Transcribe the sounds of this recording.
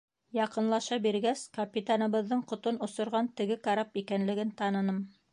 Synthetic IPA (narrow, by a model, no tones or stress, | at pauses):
jɑqɤ̆nlˠɑʃɑbiɾɡæskɐpʲit̪anɤ̆βɤ̆ðːɤɴqŏt̪onŏsŏɾʁɑnt̪ɘ̆ɡɘkaɾapikænlɘ̆ɡɘnt̪ɑnɤ̆nɤm